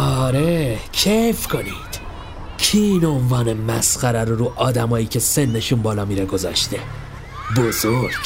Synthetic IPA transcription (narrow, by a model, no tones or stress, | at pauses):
ɒɾecʰefkʰo̞niːd̪̥ | cʰiiːno̞nvɒːne̞mæsxæɾæɾoɾuːʔɒːd̪æmɒːjiːcʰe̞se̞nːe̞ʃuːnbɒːlɒːmiːɾeɡo̞zɒ̰ːʃt̪e̞ | bozoɾɟ̥